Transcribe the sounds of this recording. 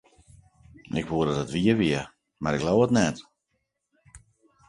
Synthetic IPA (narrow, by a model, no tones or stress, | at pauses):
ɪkʋuəɾdədətʋiəʋiə | maɾɪklowətnɛt